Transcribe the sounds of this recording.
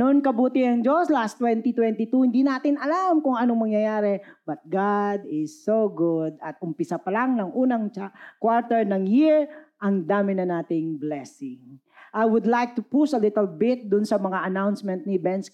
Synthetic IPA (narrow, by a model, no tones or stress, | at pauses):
nonkɐbuːt̪ɪɐŋd͡ʒoslast̪wɛnt̪it̪wɛnt̪it̪uhɪnd̪inaːt̪ɪnɐlamkʊŋɐnomɐŋjɐjaːɾɛbɐt̪̚ɡad̪ɪsːoɡʊd̪ɐt̪̚ʊmpɪsapɐlaŋnɐŋʔuːnɐŋt͡ʃakwaɹt̪ɛɹnɐŋjɪɹʔɐŋd̪aːmɪnɐnaːt̪ɪŋblɛsɪŋ | ʔajwʊd̪lajk̚t̪ʊpusɐlɪt̪ɛlbɪt̪̚d̪ʊnsɐmɐŋaʔɐnawnsmɛ̃nt̪̚nɪbɛns